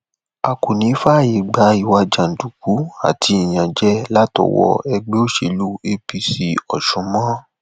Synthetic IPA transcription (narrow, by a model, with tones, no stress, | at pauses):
a˧ko˨nĩ˨˦fa˦˨ji˨ɡ͡ba˨˦i˦˨wa˧d͡ʒa˨n̩˨du˨ku˨˦a̰˨tʰi˧i˨j̃ã˨d͡ʒɛ˦la˦tɔ̰˨wɔ̰˧ɛ˧ɡ͡be˦o˦ʃe˧˨lu˦e˧pi˧si˧ɔ˨ʃũ˨˦mɔ̃˦